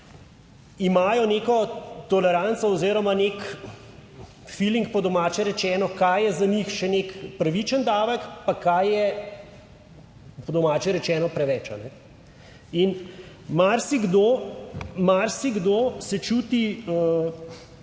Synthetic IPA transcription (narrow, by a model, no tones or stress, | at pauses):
imaːjɔneːkɔt̪ɔlɛɾant̪sɔɔziːɾɔmanek | filiŋkpɔd̪ɔmaːt͡ʃɛɾɛt͡ʃɛːnɔkajjɛzanixʃɛnekpɾɐʋit͡ʃənd̪aːʋəkpakajjɛ | pɔd̪ɔmaːt͡ʃɛɾɛt͡ʃɛːnɔpɾɛʋɛt͡ʃa̰nɛ | in | maɾsiɡd̪oːmaɾsiɡd̪oːsɛt͡ʃuːt̪iə